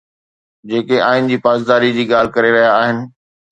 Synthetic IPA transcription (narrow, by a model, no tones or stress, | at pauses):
d͡ʑeːkeaːɦɪnɪ̆d͡ʑiːpaːzd̪aːɾid͡ʑiːɠaːl̤kɐɾeɾɐɦijaːɦɪnɪ̆